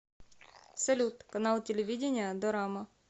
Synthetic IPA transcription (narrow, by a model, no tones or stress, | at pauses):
sɐlʲut̪kɐnalˠtʲɪlʲɪʋʲidʲɪnʲɪjəd̪ɔɾamɐ